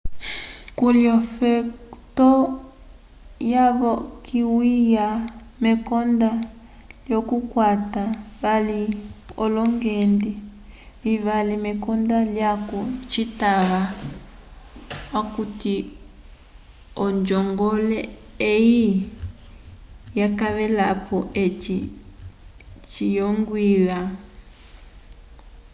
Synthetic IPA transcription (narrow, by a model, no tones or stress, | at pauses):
kuljɔfɛtɔ | jaβɔkiwija | mɛkɔnda | ljɔkukwataβaliɔlɔŋɡɛndi | βiβalimɛkɔndaljakut͡ʃitaβa | wakuti | ɔnd͡ʒɔŋɡɔlɛeji | jakaβɛlapɔʔet͡ʃi | t͡ʃijɔŋɡwiβa